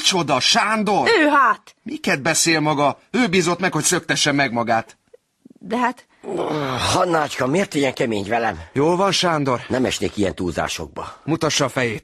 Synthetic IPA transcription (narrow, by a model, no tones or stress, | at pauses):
t͡ʃo̞d̪ɒʃaːnd̪o̞røːɦaːt̪mikɛd̪̚bɛseːlmɒɡɒøːbiːzo̞t̪mɛkho̞csøkt̪ɛʃːɛmːɛɡmɒɡaːt̪ | d̪ɛɦat̪ | hɒnːaːt͡ʃkɒmeːrt̪ijɛŋkɛmeːɲvɛlɛmjoːlvɒnʃaːnd̪o̞rnɛmɛʃnḛːkijɛ̰nt̪uːza̰ːʃo̞̰ɡ̚bɒ̰mut̪ɒʃːɒːfɛjeːt̪̚